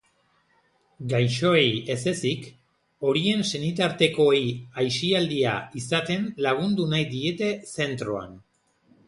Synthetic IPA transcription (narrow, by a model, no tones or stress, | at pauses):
ɡajʃo̞eje̞se̞sik | o̞ɾie̞nse̞nit̪aɾt̪e̞ko̞ejajʃiald̪ia̰isat̪e̞nlaɣ̞und̪unajd̪ie̞t̪e̞se̞nt̪ɾo̞a̰n